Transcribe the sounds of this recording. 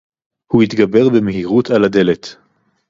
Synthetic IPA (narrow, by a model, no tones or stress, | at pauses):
huit̪ɡabe̞ʁbemeɦiʁut̪alad̪e̞le̞t